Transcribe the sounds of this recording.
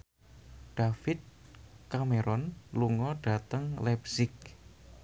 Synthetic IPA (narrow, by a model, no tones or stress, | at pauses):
ɖ̥afɪt̪̚kameɾɔnluŋɔɖ̥a̤t̪əŋlɛpsɪk̚